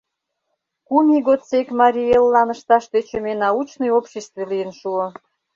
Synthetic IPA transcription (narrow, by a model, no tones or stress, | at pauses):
kumʲiɣot̪t͡sekmɑɾʲielːɑnə̆ʃt̪ɑʃt̪et͡ɕø̆menɑut͡ɕnojopɕest̪velijənʃuo